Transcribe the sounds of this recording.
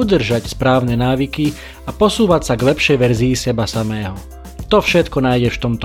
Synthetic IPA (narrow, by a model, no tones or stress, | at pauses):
ud̪r̩ʒacspɾaːʊnɛnaːʋiki | apɔsuːʋacsaɡlɛpʃɛjʋɛɾziisɛbasamɛːɦɔ | t̪ɔfʃɛt̪kɔnaːjɟɛft̪ɔmt̪ɔ